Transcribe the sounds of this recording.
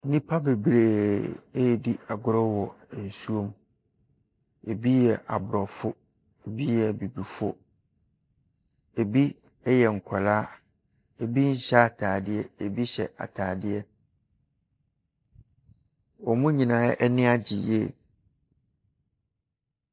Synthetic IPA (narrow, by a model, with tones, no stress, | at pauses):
nĩ˦pʰa˦be˨bɾeː˨e˦jɛ˨di˦a˨ɡʊ˦ɾɔ˦wɔ˨ | n̩˨su˦õ˦m | e˨bi˦jɛ˨ʔa̰˨bʊ˨ɾɔ˨fʊ˦ | e˨bi˦jɛ˨bi˨bi˨fʊ˦ | e˨bi˦ | ɛ˦jɛ˨ŋ̩˨kʷʰa˨laː˦ | e˨bi˦n̩˦ɕa˦a˨tʰaː˨dɪ˦ɛ˦e˨bi˦ɕɛ̰˨ʔa̰˨tʰaː˨dɪ˦ɛ˦ | wɔ˨mũ˦ɲĩ˨nãː˨˦ʔɛ˦nɪ̃˦a˦d͡ʑi˨jɛ̰˦˨